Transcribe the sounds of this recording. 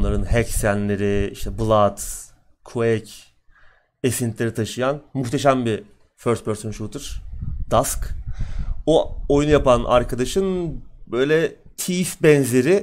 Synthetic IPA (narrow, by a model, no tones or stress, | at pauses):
nlˠaɾɯnɦɛcsænlʲe̞ɾɪiʃt̪ʰɛblˠad̪ | kʰoɛc | esint̪ʰlʲe̞ɾit̪ʰaʃɯjanmuxt̪ʰe̞ʃæmbi | føɾst̪̚bøɾsɯnʃut̪ʰɯɾ̥d̪ask | uojunujapanʔa̰ɾkʰad̪aʃɯnbøjlʲɛ | t̪ʰiːfbɛnze̞ɾɪ